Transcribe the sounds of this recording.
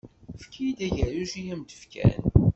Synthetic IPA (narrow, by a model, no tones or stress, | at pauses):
fkʰijd̪æʝæɾuʃijæmd̪ə̥fkʰæ̰n